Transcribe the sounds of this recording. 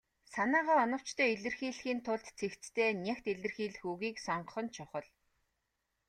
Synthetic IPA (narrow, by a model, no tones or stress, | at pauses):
sanaːʁaːɔnɞ̆w̥t͡ɕt̪ʰœːiɮɘ̆rxiːɮxiːnt̪ʰʊɮt̪t͡sʰekt͡st̪ʰeːnʲaxt̪eɮɘ̆rxiːɮ̆xuɣiːksɔɴɢ̆χɞ̆nt͡ɕʰʊχə̆ɮ